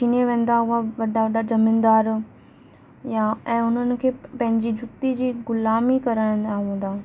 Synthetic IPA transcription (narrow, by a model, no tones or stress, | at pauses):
t͡ɕʰiːneʋẽːn̆d̪aɦʊaʋɐɗaʋɐɗad͡ʑɐmɪ̃nd̪aːɾ | jaɛ̃ːʊn̤ənɪ̆kʰeːpɐ̃ɦɪ̃ɲd͡ʑid͡ʑʊt̪id͡ʑiːɡʊlaːmikɐɾãːnd̪aʋẽːnd̪aː